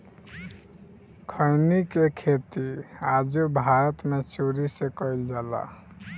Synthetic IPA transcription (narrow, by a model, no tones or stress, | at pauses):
kʰəɪnikekʰet̪iad͡ʒobʱaɾət̪met͡ʃuɾisekəild͡ʒaːla̰